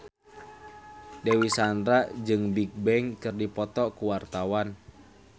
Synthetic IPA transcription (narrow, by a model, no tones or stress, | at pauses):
dewisandɾad͡ʒɨŋbik̚bɛŋkɨrdipɔt̪ɔkuwart̪awan